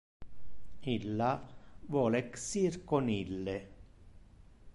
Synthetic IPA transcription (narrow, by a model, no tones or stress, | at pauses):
ilːavwɔːleksirkonilːe